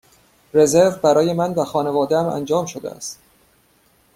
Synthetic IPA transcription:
re̞ze̞ɾvbæɾɒːje̞mænvæxɒːne̞vɒːd̪eæmæ̰nd͡ʒɒːmʃo̞d̪ḛæ̰st̪

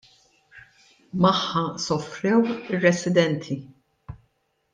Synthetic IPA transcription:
mɐħːɐsɔfɾɛwɪrːɛsɪd̪ɛnt̪ʰi

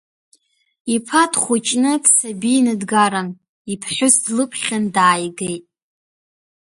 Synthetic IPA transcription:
ipʰatʰχʷʊt͡ʃʼnɨpʰsabinɨdɡaɾam | ipʰħʷʊsdlɨpʰχʲandaːjɡejtʼ

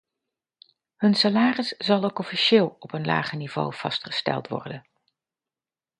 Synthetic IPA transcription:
ɦɵnsalaːrəsz̥ɑlˠowkɔfiʃɪːlˠɔpənla̰ːχənivo̰wv̥ɑ̰stχə̥stɛ̰lˠtʋɔ̰rdən

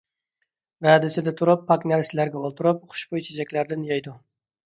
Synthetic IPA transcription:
væːd̪ɪsɪd̪ɛt̪ʰuɾupʰːɑkʲnæɾsɪlæɾɡʲɛolˠt̪ʰuɾup̚qʰʊ̥ʃbojt͡ʃʰed͡ʒɛkʲlæɾd̪ɪnjɑjd̪u

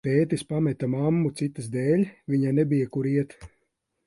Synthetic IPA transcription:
peːt̪ʲispamɛt̪amamːut̪sit̪ɨsd̪ɛːlʲvʲiɲanɛbʲijakuɾiɛt̪

